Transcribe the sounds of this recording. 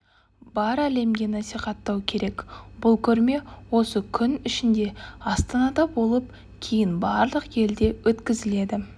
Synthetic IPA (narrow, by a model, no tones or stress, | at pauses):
bɑɾæle̞mɡʲe̞nɑsiχɑt̪ːɑwkʲʰe̞ɾe̞kbʊlˠkʲʰɵɾme̞wo̞səkʲʰʏnɪʃɪnd̪e̞ɑst̪ɑnɑd̪ɑbo̞lˠəp̚ | kʲʰejɪnbɑɾlˠəqje̞ld̪e̞wʔɵt̪kʲɪzɪle̞d̪ɪ